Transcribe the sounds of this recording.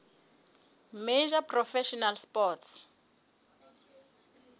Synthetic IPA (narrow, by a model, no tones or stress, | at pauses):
med͡ʒapʰrɔfɛʃɔnalspɔts